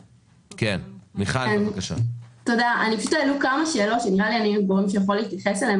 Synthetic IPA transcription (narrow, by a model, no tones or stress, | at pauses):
kenmiχakaʃa̰t̪odaaʔanipaʃu̥t̪ːlukamaʃe̞ːlo̞t̪ʃeniʁalianimvaʁimʃ̬ejaχoliːt̪jɐχesalee